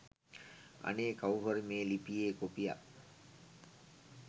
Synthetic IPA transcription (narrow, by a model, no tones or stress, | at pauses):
a̰neːkawɦoɾimeːlipijeːkopija̰